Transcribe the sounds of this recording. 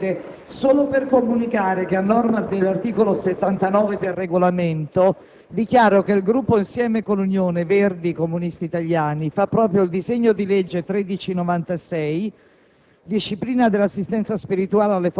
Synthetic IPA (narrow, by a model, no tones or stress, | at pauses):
e | soːloperkomunikaːɾekeanːɔrmad̪elːart̪iːkoloset̪ːant̪anɔːved̪elreɡolament̪o | d̪ik̟jaːɾokeilɡɾupːoinsjɛːmekonlːunjoːneverd̪ikomunist̪iːt̪aʎjaːnifapːɾɔːpɾjoild̪izeɲːod̪iled͡ʒːet̪ɾed̪it͡ʃinovant̪asɛj | d̪iʃːipliːnad̪elːasːist̪ɛnt̪saspiɾit̪uaːlealːef